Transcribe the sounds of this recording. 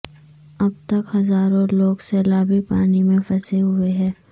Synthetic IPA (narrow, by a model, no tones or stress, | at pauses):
ɐb̚t̪ɐkhɐzaːɾõloːɡseːlaːbipaːnimẽpɐseɦʊeɦɛ̃ː